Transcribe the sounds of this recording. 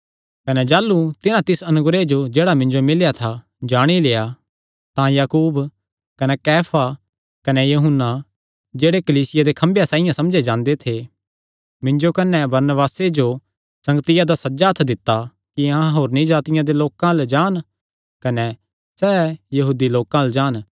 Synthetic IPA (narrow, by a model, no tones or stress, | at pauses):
kɐnɛd͡ʒaːlːut̪ɪnãt̪ɪsɐnʊɡɾed͡ʒod͡ʒeːɽamɪ̃nd͡ʒomɪljat̪ʰa | d͡ʒaːɽ̃ileːja | t̪ãjaːkuːb | kɐnɛkɛːpʰa | kɐnɛjɐɦʊnːa | d͡ʒeːɽekɐliːsɪjad̪ekʰɐ̃mbjasãːɪjãsɐ̃md͡ʒed͡ʒãːnd̪et̪ʰe | mɪ̃ɲd͡ʒokɐnɛbɐɾnəbaːsed͡ʒo | sɐ̃ŋɡt̪ɪjad̪asɐd͡ʒat̪ʰd̪ɪt̪ːa | kiãːɦoːɾnĩd͡ʒaːt̪ɪjãd̪eloːkãld͡ʒaːn | kɐnɛ | sɛːjɐɦuːd̪iloːkãld͡ʒaːn